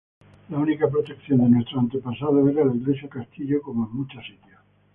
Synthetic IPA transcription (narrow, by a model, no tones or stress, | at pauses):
launikap̬ɾot̪e̞kθjo̞nd̪enwest̪ɾoant̪epasað̞oeɾaelad̪ɾesokast̪iʎokomoemmut͡ʃasit̪ja